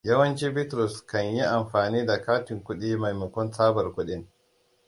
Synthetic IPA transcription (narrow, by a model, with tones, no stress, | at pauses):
jɐ˦wɐ˦nt͡ʃiː˦bɪ˦tɾʊ˨skɐ˨ɲji˦ʔa˨mɸaː˨niː˦da˨kaː˦tɪ˨ŋkʷʊ˦ɗiː˦ma˨jmɪ˨kʷʊ˦nsaː˦bɐ˨rkʷʊ˦ɗɪ˦ŋ